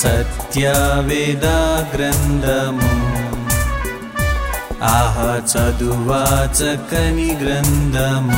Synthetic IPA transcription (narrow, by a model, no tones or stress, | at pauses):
sɐt̪jaʋeːd̪aːɡɾɐnd̪ʱɐm | aːɦɐt͡ʃɐd̪uʋaːt͡ʃɐkɐniɡɾɐnd̪ʱɐm